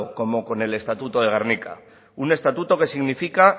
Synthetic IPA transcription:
oko̞mo̞ko̞ne̞le̞st̪at̪ut̪o̞ðe̞ɣ̞aɾnika̰ | une̞st̪at̪ut̪o̞ke̞siɣnifika

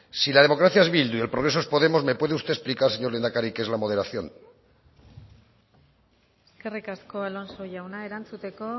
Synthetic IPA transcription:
silað̞emo̞kɾaθjae̞zβild̪uie̞lpɾoɾe̞soe̞spo̞ðe̞mo̞zme̞pwe̞ð̞eust̪e̞esplikaɾse̞ɲo̞ɾlend̪akaɾikezlamo̞ð̞e̞ɾaθjo̞̰n | eske̞rikasko̞alonsoʝawnae̞ɾant͡sut̪e̞ko̞

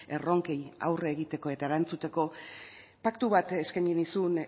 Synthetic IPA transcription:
e̞ro̞ŋkeja̰wreːɣit̪e̞ko̞e̞t̪aeɾant͡sut̪e̞ko̞ | pakt̪uβat̪e̞skajɲinisun

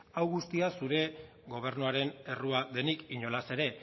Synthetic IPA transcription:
awɣust̪iasuɾe̞ | ɣo̞β̞e̞ɾnuaɾe̞ne̞ruaðe̞nikiɲo̞lase̞ɾe̞

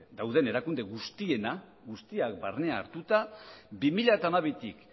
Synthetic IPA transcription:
d̪awðe̞ne̞ɾakund̪eɣust̪ie̞na | ɣust̪iak̚barne̞a̰ːɾt̪ut̪abimiʎaat̪aːmaβet̪ik

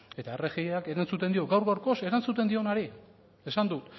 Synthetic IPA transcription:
e̞t̪aereɣiake̞ɾant͡sut̪e̞nd̪io̞ɡawɾɣawɾko̞se̞ɾant͡sut̪e̞nd̪io̞naɾi | e̞sand̪ut̪

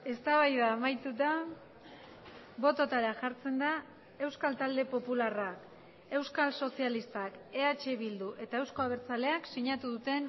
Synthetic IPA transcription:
e̞st̪aβajðaːmajt̪ut̪a | bo̞t̪o̞t̪aɾaʝaɾt͡se̞nd̪a | e̞wskalt̪ald̪e̞po̞pularak | e̞wskalso̞sialist̪ake̞at͡ʃe̞βild̪uʔe̞t̪ae̞wsko̞aβ̞e̞ɾt͡sale̞aksiɲat̪uðut̪e̞n

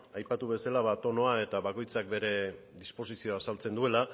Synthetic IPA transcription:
ajpat̪uβe̞salaβat̪o̞no̞ae̞t̪aβako̞jt͡sak̚be̞ɾe̞ðispo̞sisio̞asalt͡se̞nd̪ue̞la

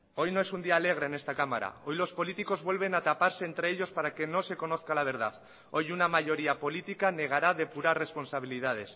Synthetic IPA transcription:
o̞jnoe̞sund̪iaːle̞ɣ̞ɾaene̞st̪akama̰ɾa̰o̞jlo̞spo̞lit̪iko̞zβwe̞lβ̞e̞nat̪apaɾse̞ːnt̪ɾeeʎo̞spaɾake̞no̞se̞ko̞no̞θkalaβ̞e̞ɾðað | o̞junamaʝo̞ɾiapo̞lit̪ikane̞ɣ̞aɾaðe̞puɾare̞spo̞nsaβ̞ilið̞að̞e̞s

